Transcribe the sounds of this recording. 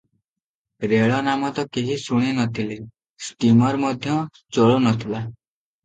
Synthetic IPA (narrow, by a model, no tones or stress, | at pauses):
ɾeɭɔnamɔt̪ɔkiɦisuɽ̃inɔt̪ʰile | sʈimɔɾmɔd̪ʱjɔ | t͡ʃɔɭonɔt̪ʰila